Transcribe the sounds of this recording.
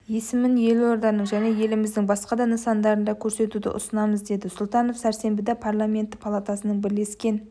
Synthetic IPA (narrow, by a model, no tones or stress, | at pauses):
je̞sɪmɪnje̞lwoɾd̪ɑnəɴʒæne̞je̞lɪmɪzd̪ɪŋbɑsqɑd̪ɑnəsɑnd̪ɑɾənd̪ɑkʲʰɵɾse̞t̪ud̪ɪ̰ʔʊ̰sənɑməzd̪e̞d̪ɪsʊlˠt̪ɑno̞fsæɾse̞mbɪd̪epʰarlˠamʲe̞nt̪ːɪpʰalˠat̪asənəɴbɪɾle̞skʲe̞n